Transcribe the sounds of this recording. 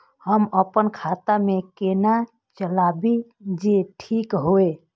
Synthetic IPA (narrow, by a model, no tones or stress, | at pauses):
həməpənkʰat̪amekena | t͡ʃəlabid͡ʒeʈʰikɦoe